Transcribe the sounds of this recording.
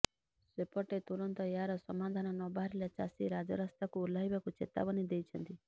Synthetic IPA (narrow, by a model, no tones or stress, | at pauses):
sepɔʈet̪uɾɔnt̪ɔjaɾɔsɔmad̪ʱanɔnɔbaɾelet͡ʃasiɾad͡ʒɔɾɔst̪akuːlaɦibakut͡ʃet̪a̰bɔnid̪ejt͡ʃʰənt̪i